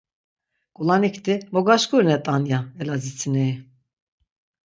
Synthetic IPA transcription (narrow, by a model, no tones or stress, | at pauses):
kʼulanikt̪ʰʼimɔɡaʃkʼuɾnɛt̪ʼanjaɛlazit͡sʰinɛi